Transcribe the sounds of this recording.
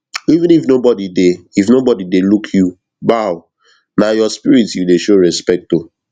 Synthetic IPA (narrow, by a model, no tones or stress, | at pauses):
ivĩnifnobɔdideifnobɔdidelukʰju | baʊ | najɔspiɹitjudeʃoɹɛspɛk̚to